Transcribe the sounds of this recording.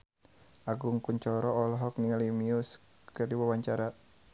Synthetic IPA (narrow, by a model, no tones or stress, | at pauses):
ʔaɡuŋkuɲt͡ʃɔɾɔɔlɔɦɔk̚niŋalimius | kɨrdiwawaɲt͡ʃaɾa